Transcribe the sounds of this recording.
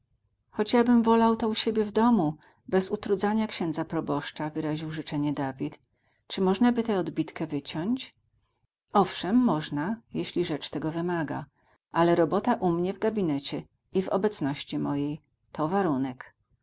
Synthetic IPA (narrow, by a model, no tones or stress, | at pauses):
xɔd͡ʑjabɘmvɔlawt̪ɔuɕebʲjɛvd̪ɔmu | bɛzut̪ɾud̪zaɲakɕɛ̃nd̪zapɾɔbɔʂt͡ʂavɘɾaʑiwʐɘt͡ʂɛɲɛd̪avʲit̪ | t͡ʂɘmɔʐnabɘt̪ɛɔd̪bʲit̪kɛvɘt͡ɕɔɲt͡ɕ | ɔfʂɛmːɔʐnajeɕlʲiʐɛt͡ʂt̪ɛɡɔvɘmaɡa̰ | ʔalɛɾɔbɔt̪aʔumɲɛvɡabʲinɛt͡ɕɛ | ivɔ̰bɛt̪snɔɕt͡ɕimɔjej | t̪ʰɔvaɾunɛk